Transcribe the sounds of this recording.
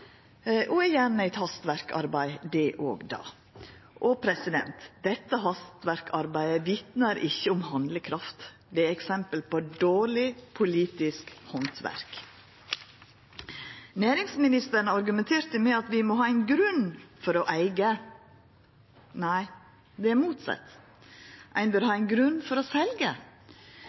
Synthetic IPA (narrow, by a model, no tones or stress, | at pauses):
ʔoːɛjæɳəæɪt̪hɑst̪ʋæɾkɑ̰ɾbæɪd̪ɛʔo̰ːɡd̪ɑ̰ː | ʔoːpʰɾɛsɪd̪ɛ̰nt̪d̪̥ɛt̪ːəɦɑst̪ʋæɾkʰɑɾbæɪəʋɪt̪nəɾʔɪçːəʊmhɑnd̪ləkʰɾɑft̪ | d̪ɛæɾɛksɛmpəlpɔd̪oːɭɪpʰʊliːt̪ɪskhɔnt̪ʰʋæ̰ɾk | næːɾɪŋsmɪnɪst̪əɾɳəɑɾɡʉmɛnt̪ʰeːɾt̪əmɛɑt̪ʋɪmɔɦɑːæɪnɡɾʉnfɔɾɔʔæɪɡə | næɪ | d̪ɛæɾmuːt̪sɑ̰t̪ː | ʔæ̰ɪnbœɾhɑːæɪnɡɾʉnːfɔɾɔsɛlɡə